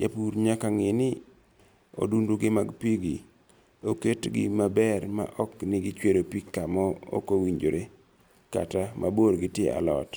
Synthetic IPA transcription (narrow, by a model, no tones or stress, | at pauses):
d͡ʒapuɾɲakaŋɪnɪ | o̰dunduɡɪmaɡpiɡi | oketɡɪ̰mabɛrma̰ʔɔknɪɡɪt͡ʃweɾopikːamɔo̰kowiɲd͡ʒoɾʔe | ka̰tamʔa̰boɾɡɪtjeʔa̰lɔ̰t